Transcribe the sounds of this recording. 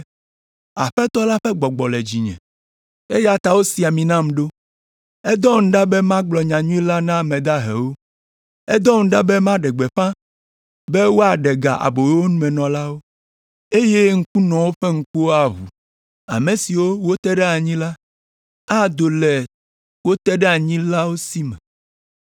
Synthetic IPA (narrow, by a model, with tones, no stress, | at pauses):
a˨ɸɛ˦t̪ɔ˦la˦ɸɛ˦ɡ͡bɔ˨ɡ͡bɔ˨lɛ˨d͡ʑi˨ɲɛ̰̃˨ | e˦ja˨t̪a˨wo˦si˨a˨mĩ˨nã˦mɖo˦ | ɛ˦d̪ɔ̃˦ŋ̩̃˦ɖa˦bɛ˦mã˦ɡ͡blɔ˨ɲã˨ɲũ˦i˦la˦nã˦mɛ̃˨d̪a˦ɦɛ̰˨wo˦ | ɛ˦d̪ɔ˦ŋ̩̃˦ɖa˦bɛ˦mã˦ɖɛ˨ɡ͡bɛ˨ɸã˦ | bɛ˦wo˦a˨ɖɛ˨ɡa̰˨ʔa̰˨bo˨jwo˦nũ˦mɛ̃˨nɔ̃˨la˦wo˦ | e˦je˦ŋ̩˦ku˦nɔ̃˨wo˦ɸe˦ŋ̩˦ku˦wo˦a˨ɦṵ˨ | a̰˨mẽ˨si˨wo˦wo˦t̪ɛ˦ɖɛ˦a˨ɲĩ˦la˦ | a˦d̪o˨lɛ˨ | wo˦t̪ɛ˦ɖɛ˦a˨ɲĩ˦la˦wo˦si˦mɛ̰̃˨